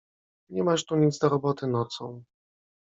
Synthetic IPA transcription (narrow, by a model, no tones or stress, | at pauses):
ɲɛmaʂt̪uɲitd̪zd̪ɔɾɔbɔt̪ɘnɔt̪sɔ̰̃w̃